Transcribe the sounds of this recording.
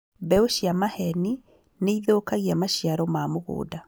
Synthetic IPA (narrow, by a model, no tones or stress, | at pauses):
βɛoʃjamahɛni | neiðoːkaɣiamaʃiaɾɔmaːmoɣo̰ːda